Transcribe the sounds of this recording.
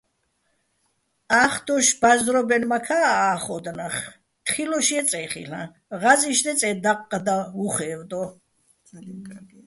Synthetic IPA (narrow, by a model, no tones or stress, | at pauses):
aχd̪ɔʃbazɾɔbɛnmakʰaːχɔd̪naχ | t̪χilɔʃiɛt͡sʼɛχḭɬã̰ | ʁaziʃd̪ɛt͡sʼɛd̪aqʼːd̪auχɛːvd̪ɔ